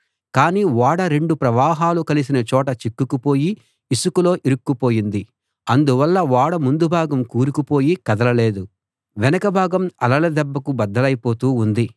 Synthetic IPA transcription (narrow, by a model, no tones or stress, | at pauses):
kaːniːʋaːɽɐɾe̞ɳɖupɾɐʋaːɦaːlukɐlis̬inɐt͡ʃɔːʈɐt͡ʃikːukupo̞ːjiː | sukulo̞ːʔiɾukːupo̞ːjind̪i | ɐnd̪uʋɐlːɐʋaːɽɐmund̪ubʱaːɡɐmkuːɾukupo̞ːjikɐd̪ɐlɐle̞ːd̪u | ʋɛnɐkɐbʱaːɡɐmɐlɐlɐd̪ɛbːɐkubɐd̪ːɐlɐjipo̞ːt̪uːnd̪i